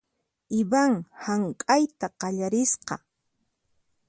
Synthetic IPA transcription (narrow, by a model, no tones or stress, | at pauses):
ɪbaŋhaŋkʼajt̪aqɑʎaɾɪsqɑ